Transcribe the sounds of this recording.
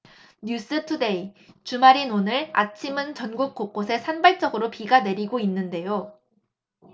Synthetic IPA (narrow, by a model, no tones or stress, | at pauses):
ɲjus͈ɯtʰude̞it͡ɕumaɾinonɯɾa̰t͡ɕʰimɯnt͡ɕʌnɡuk̚k͈ok͈osʰe̞sʰanbaɭt͡ɕ͈ʌɡɯɾopiɡane̞ɾiɡoinːɯnde̞jo